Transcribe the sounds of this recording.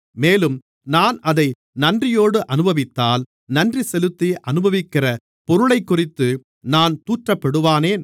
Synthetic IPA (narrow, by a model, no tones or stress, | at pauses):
meːlɯm | naːnɐðɐɪ | nɐndrɪjoːɽɯʔɐnɯbɐʋɪt̪ːaːl | nɐndrisɛlɯt̪ːiʔɐnɯbɐʋɪkːɪrɐ | pɔɾɯɭɐɪkːʊrɪt̪ːɯ | naːnt̪uːʈrɐpːɐɽɯʋaːneːn